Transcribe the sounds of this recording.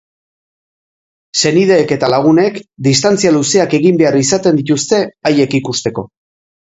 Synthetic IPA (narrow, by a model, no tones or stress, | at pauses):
se̞niðe̞ːke̞t̪alaɣ̞une̞kd̪ist̪ant͡sialuseake̞ɣimbe̞arisat̪e̞nd̪it̪ust̪e̞aje̞kikust̪e̞ko̞